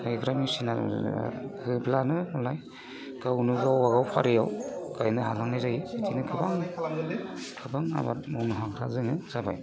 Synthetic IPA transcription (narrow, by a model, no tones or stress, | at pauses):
ajkɾamisina̰ | hɯblanɯmɔlaj | ɡawnuɡawaɡawpʰaɾijawkajnɯɦalaŋnajzaitʰinɯkʰɯbaŋ | kʰɯbaŋa̰ba̰t̚mɔwnuɦakʰɾazɯŋɯzaba̰j